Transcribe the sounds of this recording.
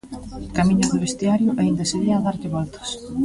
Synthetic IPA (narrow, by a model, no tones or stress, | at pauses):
kamĩɲʊðɪβest̪iaɾjʊʔaind̪ɐseðiaːðaɾʎɪβɔlt̪ɐ̥s